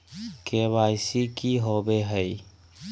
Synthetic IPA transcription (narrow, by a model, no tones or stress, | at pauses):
keβaɪsikiɦobeɦəi